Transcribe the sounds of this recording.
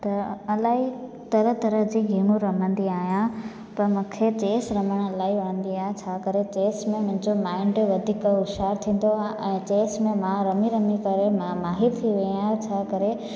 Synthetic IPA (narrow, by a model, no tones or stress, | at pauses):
t̪ɐɐlaːɦi | t̪ɐɾət̪ɐɾəɦd͡ʑiːɡʱiːmũɾɐmə̃nd̪iaːɦijã | pɐɾmũkʰet͡ɕeːsɾɐməɽ̃ɐlaːɦiɐɽ̃ə̃nd̪iaːɦet͡ɕʰaːkɐɾet͡ɕeːsmẽmʊ̃ɦɪ̃ɲd͡ʑomaːɪ̃ɳɖʋɐd̪ʱiːkʊʃaːɾt̪ʰĩːn̆d̪oaːɦeʔɛ̃ːt͡ɕeːsmẽmãɾɐmiɾɐmikɐɾemãmaːɦiɾt̪ʰiʋeiaːɦet͡ɕʰaːkɐɾe